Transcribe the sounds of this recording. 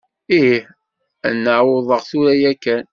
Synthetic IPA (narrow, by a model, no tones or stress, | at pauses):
ih | nːəʕwoðˤəʁθuɾæjækːæn